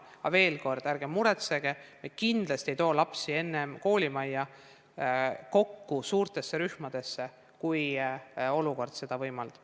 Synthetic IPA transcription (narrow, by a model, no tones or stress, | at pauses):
ɑve̞ːlko̞rd̪̥æɾɡ̥emmuɾet̪se̞ɡ̥emekind̪̥lɑst̪e̞jt̪o̞ːlɑpsie̞nːe̞mko̞ːlʲimɑjːɑ | ko̞kːusuːrt̪e̞sːeɾyhmɑd̪̥e̞sːe̞ | kuj | o̞luko̞rd̪̥se̞d̪̥ɑvɤjmɑld̪̥